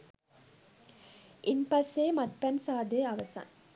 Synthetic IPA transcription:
ʔinpɐseːmɐt̪̚pænsaːd̪eɐʋɐsɐ̰ŋ

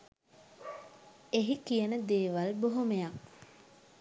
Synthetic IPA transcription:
eɦikijənəd̪eːʋalboɦomejak

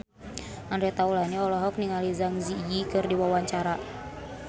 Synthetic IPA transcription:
ʔandɾɛt̪aulaniɔlɔɦɔk̚niŋalizaŋzijikɨrdiwawaɲt͡ʃaɾa

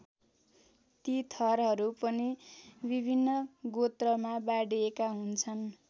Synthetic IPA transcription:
t̪it̪ʰʌrɦʌɾupʌnibibʱinːʌɡot̪rʌmabaɽiekaɦunt͡sʰʌn

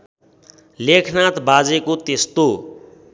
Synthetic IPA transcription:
lekʰnat̪bad͡zekot̪est̪o

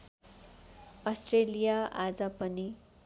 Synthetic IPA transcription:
ʌsʈrelijaad͡zʌpʌni

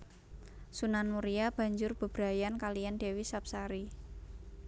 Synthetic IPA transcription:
sunanmuɾiab̥ä̤ɲd͡ʒʊrb̥ə̤b̥ɾa̤jankalijand̥e̤wisap̚saɾi

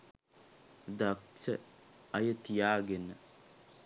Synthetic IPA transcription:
d̪aksəɐjət̪ijaːɡenːə

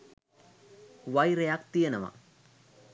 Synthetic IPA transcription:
ʋajɾejak̚t̪ijenɐʋa̰

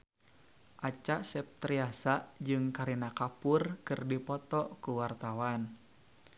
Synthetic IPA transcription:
ʔat͡ʃaʔsɛp̚t̪ɾiasaʔd͡ʒɨŋkaɾinakapurkɨrdipɔt̪ɔkuwart̪awan

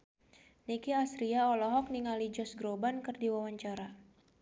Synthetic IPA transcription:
nikiasɾiaɔlɔɦɔk̚niŋalid͡ʒɔsɡɾobankɨrdiwawaɲt͡ʃaɾa

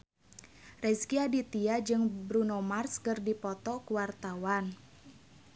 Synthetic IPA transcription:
rɛskiadit̪iad͡ʒɨŋbɾunomarskərdipɔt̪ɔkuwart̪awan

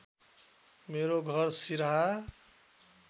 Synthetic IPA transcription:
meɾoɡʱʌɾsiɾa

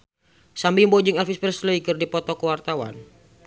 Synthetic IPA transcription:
sambimbod͡ʒɪŋɛlfispɾɛsləikɨrdipɔt̪ɔkəwart̪awa̰n

